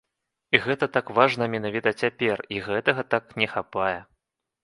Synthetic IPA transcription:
iɣɛt̪ɐt̪akvaʐnɐmʲɛnavʲit̪ɐt͡sʲapʲɛriɣɛt̪ɐɣɐt̪aknʲɛxapajɛ

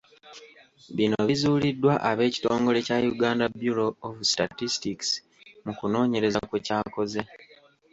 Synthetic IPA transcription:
βinoβizuːlidːwaʔaβe̞ːci̥to̞ːŋɡo̞le̞cajuɡaːndabjuɾo̞ːvusta̰tistiks | mukuno̞ːɲe̞ɾezakwecaːko̞ze̞

